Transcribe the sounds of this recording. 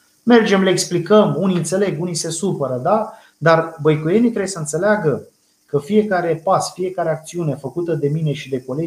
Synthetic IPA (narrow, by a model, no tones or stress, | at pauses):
me̞rd͡ʒe̞mleeksplikəmuniɨnt̪se̞le̞ɡunise̞supəɾəd̪a | d̪arbəjkuje̞nit̪ɾewjesəɨnt̪se̞leaɡə | kəfie̞kaɾe̞pasfije̞kaɾe̞ak̚t̪siune̞fəkut̪əd̪e̞mine̞ʃid̪e̞ko̞le